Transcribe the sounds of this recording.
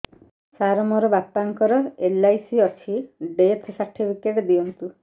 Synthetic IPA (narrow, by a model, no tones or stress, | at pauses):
saɾɔmɔɾɔbapːaŋkɔɾɔelajsiɔt͡ʃʰiɖet̪ʰsaɾʈʰipʰikeʈɔd̪iɔnt̪u